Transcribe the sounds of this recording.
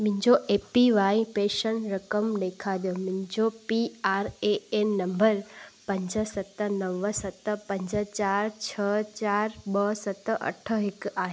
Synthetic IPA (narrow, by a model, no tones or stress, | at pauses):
mʊ̃ɦɪ̃ɲd͡ʑoʔeːpiʋaːipeːʃənɾɐkəmɗ̪eːkʰaɗ̪ijomʊ̃ɦɪ̃ɲd͡ʑopiaːɾeennɐ̃mbəɾpɐ̃ɲd͡ʑəsɐt̪nɐʋəsɐt̪pɐ̃ɲd͡ʑət͡ɕaːɾt͡ɕʰət͡ɕaːɾɓəsɐt̪ɐ̰ʈʰəɦɪkaːɦe